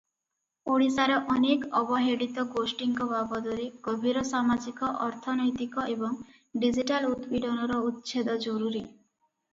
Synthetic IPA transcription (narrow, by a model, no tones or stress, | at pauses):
oɽisaɾɔʔɔnekɔbɔɦeɽit̪ɔɡosʈiŋkɔbabɔd̪ɔɾiɡ̥ɔbʱiɾɔsamad͡ʒikɔʔɔɾt̪ʰɔnɔjt̪ikɔebɔŋ | ɖid͡ʒiʈalud̪biɖɔnɔɾɔut̪ːt͡ʃʰed̪ɔd͡ʒɔɾuɾi